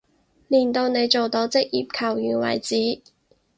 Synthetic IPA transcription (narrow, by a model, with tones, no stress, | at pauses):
liː˨˩nt̪o˧wne˨˧jt͡so˨wt̪o˨˥wt͡sɪ˥k̚jḭː˨˩p̚kʰɐ˨˩wjyː˨˩nwɐ̰˨˩jt͡siː˨˥